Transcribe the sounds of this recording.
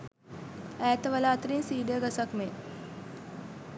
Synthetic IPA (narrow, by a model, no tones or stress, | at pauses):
æːt̪əʋəlaːt̪əɾinsiːd̪əəɡasakme